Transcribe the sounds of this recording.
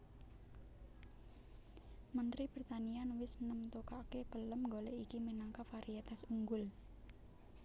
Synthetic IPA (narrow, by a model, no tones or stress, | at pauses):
mənt̪ɾib̥ɾit̪anianwɪsnəmt̪okakepələmŋɡoɔleʔikiminaŋkafaɾiat̪asuŋɡʊl